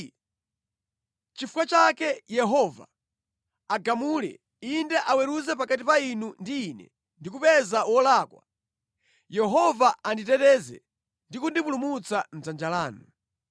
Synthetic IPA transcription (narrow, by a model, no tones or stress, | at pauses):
t͡ʃifukwat͡ʃakɛjɛɦɔva̰ | aɡamulɛ̰ | indɛʔawɛɾuzɛpakatipainundiːnɛ̰ | ndikupɛzawɔlaːkwa̰ | jɛɦɔvaanditɛtɛzɛ̰ | ndikundipulumut͡sam̩zand͡ʒalaːnu